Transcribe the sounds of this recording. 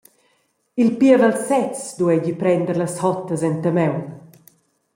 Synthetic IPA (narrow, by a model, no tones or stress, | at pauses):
ilpiəvalsɛt͡sd̪uɛɟipɾɛnd̪əɾlɐshɔt̪ːəzɛnt̪əmɛwn